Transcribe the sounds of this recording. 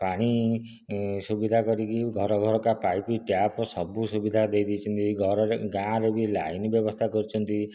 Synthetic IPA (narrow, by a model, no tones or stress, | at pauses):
paɽ̃i | subid̪ʱakɔɾikiɡʱɔɾɔɡʱɔɾɔkapajpiʈjapɔsɔbusubid̪ʱad̪ejd̪it͡ʃʰɔnt̪iɡʱɔɾɔɾeɡãɾebilajnibjɔbɔst̪ʰakɔɾit͡ʃʰɔnt̪i